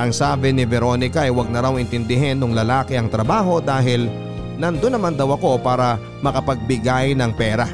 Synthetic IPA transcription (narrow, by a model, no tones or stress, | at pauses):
ʔɐŋsaːbɪnɪvɛɾo̞nɪkɐʔɐjwɐɡ̚nɐɾawɪnt̪ɪnd̪ɪɦɛnːʊŋlɐlaːkɪɐŋt̪ɾɐbaːɦo̞d̪aːɦɪl | nɐnd̪onːɐmand̪ɐwɐko̞paːɾɐ | mɐkɐpɐɡ̚bɪɡajnɐŋpɛːɾɐ